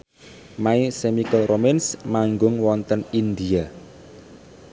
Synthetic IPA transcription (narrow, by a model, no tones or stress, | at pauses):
maisemikəlromɛnsmaŋɡʊŋwɔnt̪ənind̪ia